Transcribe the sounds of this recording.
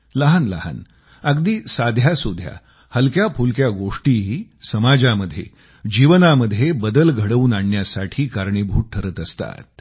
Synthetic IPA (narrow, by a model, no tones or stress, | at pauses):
ləɦanləɦa̰n | əɡd̪iːsad̪ʱjasud̪ʱja̰ | həlkjapʰulkjaɡoʂʈiɦiːsəmad͡ʑaməd̪ʱːjḛ | d͡ʑiʋənaməd̪ʱːjebəd̪əlɡʱəɽəʋuːnaɳːjasaʈʰiːkaɾɳebʱuːʈ̚ʈʰːəɾəːt̪əst̪a̰t̪̚